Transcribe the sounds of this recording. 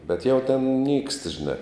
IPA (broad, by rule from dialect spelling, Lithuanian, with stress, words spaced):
bʲɛt jɛʊ tʲɛn nʲiːkst ʒʲɪˈnɐ